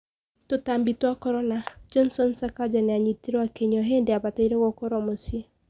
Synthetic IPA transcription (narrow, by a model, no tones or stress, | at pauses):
totambitwakɔɾɔnad͡ʒɔnsɔnsakad͡ʒanɛaɲitiɾɔakeɲɔɦendeabataiɾɛɣɔkɔɾɔmosie